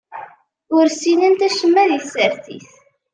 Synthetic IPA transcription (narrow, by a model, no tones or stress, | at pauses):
ʊɾsinənt̪æʃəmːæðiθsəɾθḭθ